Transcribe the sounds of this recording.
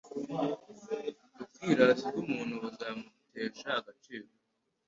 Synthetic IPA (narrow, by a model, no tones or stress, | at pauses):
dupkiːɾazikumuːn̤uazaːmuteːʃaːɡat͡ʃiːɾo